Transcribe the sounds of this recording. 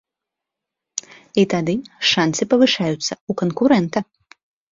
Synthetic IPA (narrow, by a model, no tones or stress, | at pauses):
it̪ad̪ɨʂant̪sɨpɐvɨʂajut̪sɐukɔnkuɾɛnt̪ɐ